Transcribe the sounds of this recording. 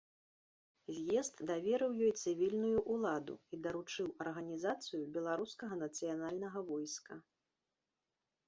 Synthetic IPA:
zʲjɛzt̪d̪avʲɛɾɨwjɔjt̪sɨvʲilʲnujuʔulˠad̪ṵid̪ɐɾut͡ʂɨwɐrɣɐnʲizat̪sɨjubʲɛlˠaɾuskɐɣɐnɐt̪sɨjanalʲnɐɣɐvɔjskɐ

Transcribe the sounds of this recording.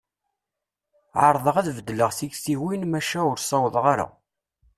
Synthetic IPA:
ʕəɾˤðˤəʁæðvəd̪ːləʁθiɡθiwinmæʃæʊɾsˤɑwəðˤʁaɾa̰

